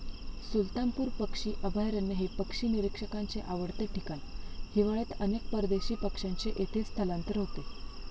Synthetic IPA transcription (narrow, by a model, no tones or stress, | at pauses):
sult̪ampuːɾpəkʂiːʔəbʱajɾənːəɦepəkʂiːniɾikʂəkaɲt͡seʔaʋəɽt̪əʈikanihiʋaɭet̪ənek̚pəɾd̪eɕiːpəkʂaɲt͡ɕeʔet̪ʰet͡st̪ʰəlãnt̪əɾɦot̪e